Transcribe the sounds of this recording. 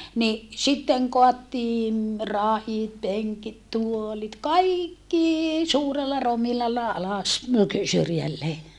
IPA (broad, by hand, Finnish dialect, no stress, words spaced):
ni sitːeŋ koɑtːiːn rɑhit peŋkit tuolit kɑikːiː suːrelːɑ romilɑlːɑ ɑlɑs syrjælːeː